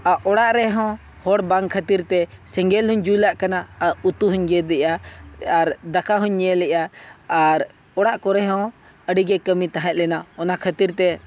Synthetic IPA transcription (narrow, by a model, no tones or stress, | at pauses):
aʔɔɽaʔɾɛɦɔ̃ | hɔɽbaŋkʰət̪iɾt̪ɛ | sɛŋɡɛlɦuɲd͡ʒulaʔkanaaut̪uɦuɲɡɛd̪ɛʔaaɾd̪akʰaɦuɲːɛlɛʔaː | ɾ | ɔɽaʔkɔɾɛɦɔ̃ | əɖiɡɛkəmit̪aɦɛ̃t̪̚ˀlɛnaɔnakʰət̪iɾt̪ɛ